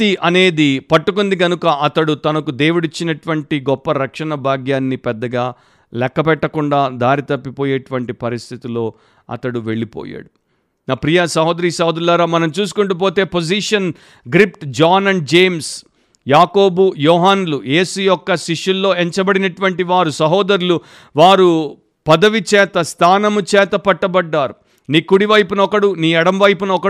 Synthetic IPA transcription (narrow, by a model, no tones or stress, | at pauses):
iʔɐne̞ːd̪ipɐʈːukund̪iɡɐnukɐʔɐt̪ɐɽut̪ɐnɐkud̪e̞ːwuɽit͡ʃːinɐʈuʋɐɳʈiɡɔpːɐɾɐkʂɐnɐbʱaːɡjaːnːipɛd̪ːɐɡaː | lɛkːɐpɛʈːɐkuɳɖaːd̪aːɾit̪ɐpːipoːjeːʈuʋɐɳʈipɐɾist̪ʰit̪ilo̞ː | ɐ̰t̪ɐɽuʋe̞ɭːipo̰ːja̰ːɽu | naːpɾijasɐɦoːd̪ɐɾiːsɐɦoːd̪ɐɾulaːɾaːmɐnɐmt͡ʃuːs̬u̥kuɳʈup̬o̞ːt̪e̞ːpod͡ʒiʂɐn | ɡɾip̚ʈd͡ʒaːnɐɳɖ̚d͡ʒeːms | jaːkoːbujɔːɦaːnuluje̞ːsujɔkːɐʃiʂulːo̞ːeɲt͡ʃɐbɐɽinɐʈuʋɐɳʈiʋaːɾusɐɦoːd̪ɐɾulu | ʋaːɾu | pɐd̪ɐʋit͡ʃɛːt̪ɐst̪ʰaːnɐmut͡ʃɛːt̪ɐpɐʈːɐbɐɖːaːɾu | niːkːuɽiʋɐjpunɐɔkɐɽuniːɐɽɐmʋɐjpunɐɔkɐ